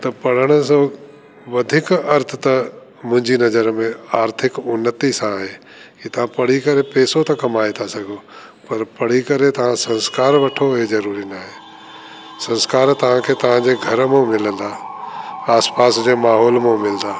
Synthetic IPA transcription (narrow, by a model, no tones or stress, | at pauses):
t̪ɐpɐɽ̤əɽ̃əs̬o | ʋɐd̪ʱɪkɐɾt̪ʰət̪ɐ | mʊ̃ɦɪ̃ɲd͡ʑinɐzəɾmẽaːɾt̪ʰɪkʊnːət̪isãɦeː | kit̪ɐʋ̤ãpɐɽ̤ikɐɾepeːsot̪ɐkɐmaːet̪ʰasɐɡʱo | pɐɾpɐɽ̤ikɐɾet̪ɐʋ̤ãsɐ̃nskaːɾʋɐʈʰoɦezɐɾuːɾinaɦeː | sɐ̃nskaːɾt̪ɐʋ̤ãkʰeːt̪ɐʋ̤ãd͡ʑeɡʱɐɾmẽmɪlə̃nd̪aː | aːspaːsd͡ʑeːmaːɦɔːlmẽmɪld̪aː